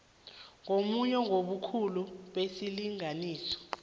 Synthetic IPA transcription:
ŋomuɲɔŋoɓukʰuluɓesiliŋaniːsɔ̥

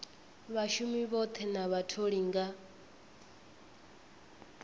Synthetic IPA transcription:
βaʃumiβɔt̪ʰɛnaβatʰoɺiŋɡa

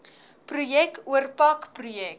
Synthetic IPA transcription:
prujɛk̚tuərpɐkprujɛk̚

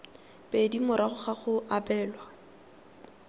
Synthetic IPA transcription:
pʼedimʊɾaχʊχaχʊʔapɛːlwa

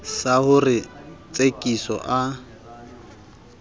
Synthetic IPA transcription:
sahʊrɪt͡sʼekʼisɔ̰ʔa

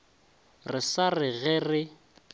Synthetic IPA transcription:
rɪsarɪɣɛrɪ

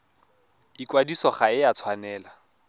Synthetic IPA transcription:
ikwadisɔχaɪjat͡sʰwanɛːla

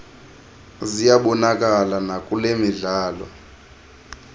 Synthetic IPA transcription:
zijaɓɔnakʼalanakʼulemiɮaːlɔ̰

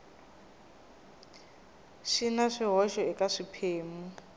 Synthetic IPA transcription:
ʃinaʂiɦɔʃɔɛkʼaʂipʰeːmu

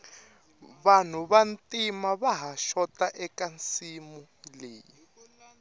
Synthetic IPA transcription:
βan̤uβantʼimaβaɦaʃɔtʼaʔɛkant͡simu | leːi

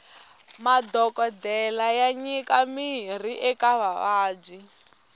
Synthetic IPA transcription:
madɔkʼɔdɛlajaɲikamiɦr̤iʔɛkaβaβaːd͡ʒi

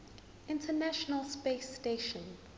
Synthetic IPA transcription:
ɪ̃ntʰənaʃɔnəlspesteʃɔ̃n

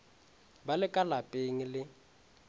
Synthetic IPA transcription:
balɪkʼalapʼeŋilɪ

